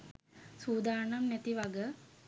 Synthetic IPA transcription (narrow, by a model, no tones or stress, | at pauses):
suːd̪aːɾɳamnæt̪iʋaɡə